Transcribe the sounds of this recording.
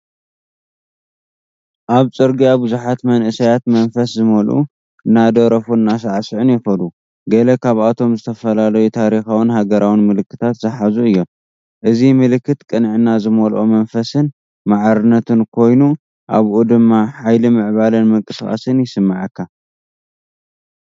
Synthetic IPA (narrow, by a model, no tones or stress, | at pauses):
ʔaβt͡sʼɨɾɡijabɨzuħat̪mɐnʔɨsɐjat̪mɐnfɐszɨmɐlʔṵ | ɨnːad̪ɐɾɐfuɨnːas̬aʕasɨʕɨnjɪxɐd̪u | ɡɐlɐkʰaβat̪ʰo̞mzɨt̪ʰɐfɐlalɐjut̪ʰaɾixawɨnhaɡɐɾawinmɨlɨkːɨt̪ʰat̪zɨħazuɨjːo̞m | ʔɨzimɨlɨkːɨt̪kʼɨnʕɨnazɨmɐlʔomɐnfɐsɨn | maʕɾɨnːɐt̪ʰɨnkʰo̞jnu | ʔa̰βʔud̪ɨmːaħajlimɨʕβalɨnmɨŋkʼɨsʼa̰sɨnjɪsɨmːaʕɨkːa